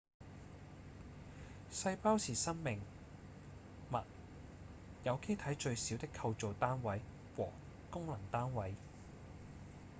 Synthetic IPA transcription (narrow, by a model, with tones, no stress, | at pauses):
sɐ˧jpaː˥wsʰiː˨˩sɐ˥ŋmɪ˨˩ŋ | mɐ̰˨t̚ | jɐ˨˧wke˥jt̪ʰɐ˨˥jt͡ʃɵ˧ɥsiː˨˥wt̪ɪ˥kʰːɐ˧wt͡so˨wt̪aː˥nwɐ˨˥j | wɔ̰ː˨˩ | kʊ˥ŋlɐ˨˩ŋt̪aː˥nwɐ˨˥j